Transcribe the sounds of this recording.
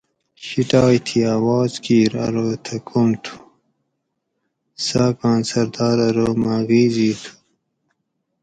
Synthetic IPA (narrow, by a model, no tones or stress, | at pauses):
ɕiʈɑːjt̪ʰiaːwɑːzkiːɾɐ̰ɾoːt̪ʰɐkʰumt̪ʰu̥ | saːkɑːnsɐɾd̪ɑːɾɐɾoːmaɣiːziːt̪ʰu̥